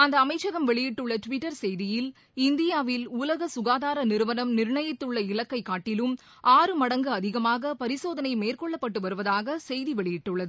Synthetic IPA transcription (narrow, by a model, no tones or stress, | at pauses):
ɐnd̪ɐːmɐɪt͡ʃt͡ʃːɐɣɐmʋɛɭɪjɪʈːɯɭːɐʈʋɪʈːɐɾsɛjðɪjɪl | ɪnd̪ɪjaːʋɪlulɐɣɐsʊɣaːðaːɾɐnɪɾɯʋɐnɐmnɪɾɳɐjɐt̪ːɯɭːɐɪlɐkːɐɪkːaːʈːɪlɯm | ʔaːɾɯmɐɽɐŋɡɯɐðɪɣɐmaːɣɐpɐɾɪsoːðɐnɐɪmeːrkɔɭːɐpːɐʈːɯʋɐɾɯʋɐðaːɣɐsɛjðiʋɛɭɪjɪʈːɯɭːɐðɯ